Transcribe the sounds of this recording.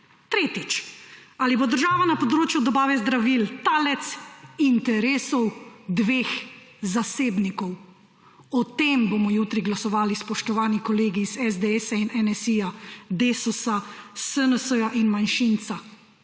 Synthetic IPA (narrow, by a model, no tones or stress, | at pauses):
t̪ɾeːt̪it͡ʃalibod̪əɾʒaːʋanapɔd̪ɾoːt͡ʃjud̪ɔbaːʋɛzd̪ɾaʋilt̪aːlɛt̪sint̪ɛɾeːsɔwd̪ʋeːx | zaseːbnikɔw | ɔt̪emboːmɔjuːt̪ɾiɡlasɔʋaːlispɔʃt̪ɔʋaːnikɔleːɡiːzɛzd̪eɛsainɛnɛsijad̪eːsɔsassənəsəjaʔinmanʃint̪sa